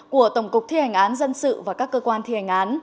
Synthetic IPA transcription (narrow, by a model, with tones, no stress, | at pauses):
ku˧˩ət̪ə˧˩wŋ͡mkʊ˨˩k͡p̚t̪ʰi˧ha˨˩jŋ̟ʔaː˨˦nzə˧nsɨ̰˧˨vaː˨˩kaː˦˥kːəː˧kwaː˧nt̪ʰi˧ha˨˩ŋ̟ʔaː˨˦n